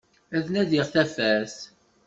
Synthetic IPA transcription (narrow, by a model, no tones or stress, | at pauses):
æðnæðɪʁθæfæs